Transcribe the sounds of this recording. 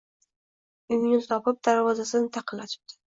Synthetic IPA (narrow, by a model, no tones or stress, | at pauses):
ʊjnɪt̪ɒpɪp̚d̪aɾvɒzasɪnɪt̪ʰɑqʰɨlːaʃɪ̥b̚d̪̥ɪ̥